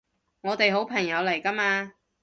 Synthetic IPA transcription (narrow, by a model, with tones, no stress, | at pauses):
ŋɔː˨˧t̪e˨jɦo˨˥wpʰɐ˨˩ŋjɐ˨˧wlɐ˨˩jkɐ˥maː˧